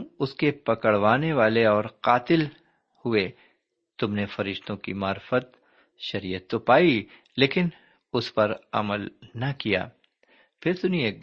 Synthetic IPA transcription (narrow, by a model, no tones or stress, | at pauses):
ʊskepɐkəɽʋaːneʋaːleɔːɾqaːt̪ɪl | hʊe | t̪ʊmnefɐɾɪʃt̪õkḭmaːɾfət̪ | ʃɐɾijət̪ːopaːi | leːkɪn | ʊspɐɾɐ̰məlnɐkija̰ː | pʰɪɾt̪ʊnieːk̚